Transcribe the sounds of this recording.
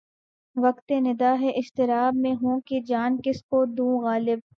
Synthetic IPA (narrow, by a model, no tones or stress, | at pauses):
ʋɐkt̪enɪd̪aːɦeʔɪʃt̪ɪɾaːbmẽɦũːked͡ʒaːnkɪskod̪ũːɣaːlɪb̚